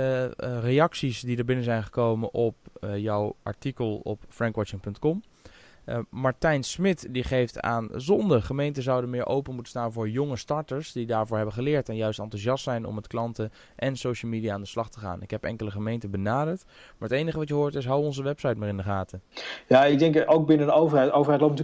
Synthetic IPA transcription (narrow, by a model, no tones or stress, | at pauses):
rejɑksisdidəɹbɪnəzɛjnχə̥kowmənʔɔp̚jɔwʔɑ̰ɹtikəlˠɔ̰pfrɛŋkʋɑt͡ʃɪŋpɵntkɔm | mɑɹtɛjnsmɪtdiχejfta̰ːnzɔndəχəmejntəzɑwdənmɪːɹʔo̰wpənmutənstaːnvʊːɹjɔŋəstɑɹtəɹsdidaːɹvʊːɹɦɛbənχəlɪːɹtɛnjœɥstɑntuʃɑstsɛjnɔ̰mətklɑntə | ʔɛnsowʃəl̩ˠmidijaːndəslɑχtəχa̰ːnɪkɦɛpɛ̰ŋkələχəmejntəbənaːdəɹt | maːɹɦətejnəχəʋɑtjəɦʊːɹtɪs̬ɦɑwʋəɔnzəʋɛpsɑjtmaːɹɪndəχaːtəjaːɪɡ̚dɛŋkowk̚bɪnəowvəɹɦɛjtowvəɹɦɛjtlotnt